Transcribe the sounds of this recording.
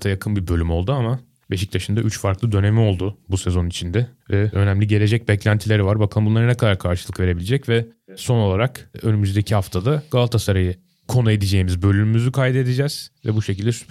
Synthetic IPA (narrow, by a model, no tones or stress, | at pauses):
t̪ʰajakʰɯnbibø̞lʲymo̞lˠd̪uama | be̞ʃic̚t̪ʰaʃɯnd̪aʔyt͡ʃfaɾklˠɯd̪ø̞ne̞mio̞lˠd̪ubuse̞zo̞nit͡ʃʰind̪ɛvɛø̞næmlʲiɟe̞lʲe̞d͡ʒɛc̚bɛclʲænt̪ʰilʲeɾivaɾbakʰɯmbunlˠaɾɯnɛkʰad̪aɾkʰaɾʃɯlˠɯkve̞ɾe̞bilʲed͡ʒɛcvɛso̞no̞lˠaɾakø̞nymyzd̪ecʰihaft̪ʰad̪aɡ̥alˠt̪ʰasaɾajɯ | kʰo̞nue̞d̪id͡ʒe̞jimizbø̞lʲymymyzykʰajd̪e̞d̪id͡ʒɛz̥vɛ̰buʃecʰilʲd̪ɛsy̥